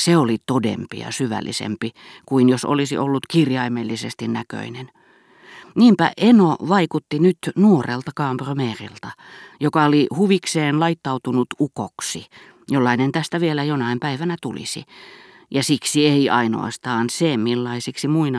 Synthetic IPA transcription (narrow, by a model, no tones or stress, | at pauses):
seolit̪odḛmpḭjɑ̰syʋæ̰lːḭsḛmpikuinjoso̰lisḭʔolːut̪kirjɑimelːisest̪innækø̰inen | niːmpæ̰ʔenoʋɑikut̪ːinyt̪nuorḛlt̪ɑkɑːmpromeːrḭlt̪ɑjokɑolihuʋikseːnlɑit̪ːɑut̪unut̪ukoksi | jolːɑinent̪æst̪æʋielæjonɑimpæiʋænæt̪ulḭsḭ | jɑsiksieiɑino̰ɑ̰st̪ɑːnsemilːɑisiksimuin